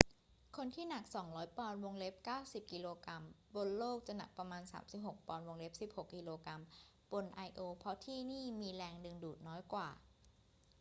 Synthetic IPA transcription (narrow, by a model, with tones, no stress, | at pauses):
kʰo˧nt̪ʰiː˥˩na˨˩k̚sɔ˩˦ŋɾɔː˦˥jpɔː˧nwo˧ŋle˦˥p̚kaː˥˩wsi˨˩p̚kiː˧loː˧ka˧m | bo˧nloː˥˩k̚t͡ɕa˨˩na̰˨˩k̚pɾa˧maː˧nsa̰ː˩˦msi˨˩p̚ho˨˩k̚pɔː˧nwo˧ŋle˦˥p̚si˨˩p̚ho˨˩kːiː˧loː˧kɾa˧m | bo˧nʔa˧jʔoː˧pʰɔ˦˥t̪ʰiː˥˩niː˥˩miː˧lɛː˧ŋdɯ˧ŋduː˨˩t̪̚nɔː˦˥jkwaː˨˩